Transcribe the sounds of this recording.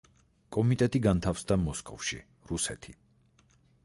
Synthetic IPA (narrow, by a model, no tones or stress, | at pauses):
kʼɔmit̪ʼɛt̪ʼiɡant̪ʰafsd̪amɔskʼɔ̰fʃḭ | ɾusɛt̪ʰi